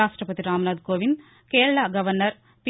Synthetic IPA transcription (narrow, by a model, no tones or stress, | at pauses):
aːʂʈɾɐpɐt̪iɾaːmɐnaːd̪koːʋin | keːɾɐɭaɡɐʋɐɾnɐɾ | p